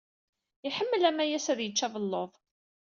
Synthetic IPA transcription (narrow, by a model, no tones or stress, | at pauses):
iħəmːəlæmæjæsæðjət͡ʃːævəlːoðˤ